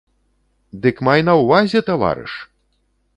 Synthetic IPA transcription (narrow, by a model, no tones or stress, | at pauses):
d̪ɨkmajnɐwvazʲɛt̪ava̰ɾɨ̰ʂ